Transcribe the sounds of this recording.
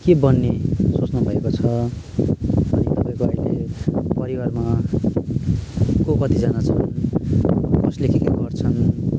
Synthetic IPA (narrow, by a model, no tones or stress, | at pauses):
kebʌnːesot͡snʌbʱʌekot͡sʰʌ | ʌnit̪ʌpaĩkoajlepʌɾiwarma | kokʌt̪id͡zanat͡sʰʌn | kʌslekʰikeɡʌrt͡sʰʌn